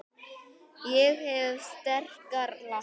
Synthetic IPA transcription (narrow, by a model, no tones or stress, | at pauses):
jɛɣhɛvst̪ɛr̥kaɾla